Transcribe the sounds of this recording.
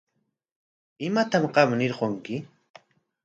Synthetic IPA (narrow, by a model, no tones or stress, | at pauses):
ɪmat̪amɢɑmnɪɾqoŋkɪ